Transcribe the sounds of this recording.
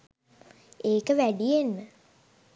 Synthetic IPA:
eːkəʋæɖijenmə

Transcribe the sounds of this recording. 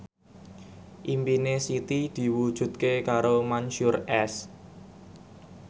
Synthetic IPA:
ʔimpinesit̪id̪̥i̤wud̥ʒ̥ṳt̪̚kekaɾomanʃurɛs

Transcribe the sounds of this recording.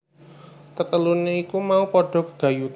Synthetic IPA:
t̪ət̪əluneikumaupɔɖ̥ɔ̤kəɡ̥a̤ju

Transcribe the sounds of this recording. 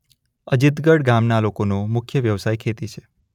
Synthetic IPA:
əd͡ʒɪt̪ɡəɽɡamnalokonomʊkʰjəʋjəʋsajkʰet̪it͡ʃʰe̥

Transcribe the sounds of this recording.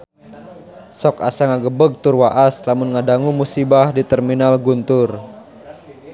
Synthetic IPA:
sɔka̰saŋaɡəbəɡ̚t̪ʊrwaʔaslamʊnŋadaŋumusibahdit̪ɛrminalɡunt̪ʊr

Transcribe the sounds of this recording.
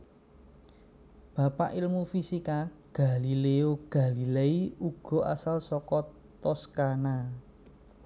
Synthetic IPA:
b̥a̤pa̰ʔilmufisikaɡ̥a̤lileoɡ̥a̤lileiuɡ̥ɔ̤a̰salsɔkɔ | t̪ɔskana

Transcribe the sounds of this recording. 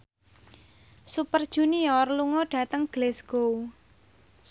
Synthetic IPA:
supərd̥ʒ̥ṳniɔrluŋɔɖ̥ä̤t̪əŋɡ̥lɛsɡ̥ou

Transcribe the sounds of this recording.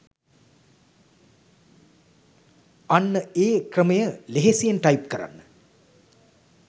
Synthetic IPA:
anːəeːkrəmɐjəleɦesijenʈɐjp̚kəɾa̰nːə

